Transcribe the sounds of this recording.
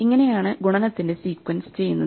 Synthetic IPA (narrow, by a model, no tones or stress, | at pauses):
iŋːɐne̞jaːɳɨɡuɳɐnɐt̪ːindesiːkwɐnsɨ̥t͡ɕe̞junːɐ